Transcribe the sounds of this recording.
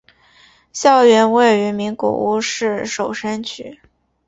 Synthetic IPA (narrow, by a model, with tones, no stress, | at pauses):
ɕjɑ˥˩ʊɥɛ˧˥nwe˥˩ɪy˧˥mi˧˥ŋkɔ̰˨˩ʔu˥˧ʂɻ̩˥˩ʂo˨˩ʊʂa˥nt͡ɕʰy˨˩˦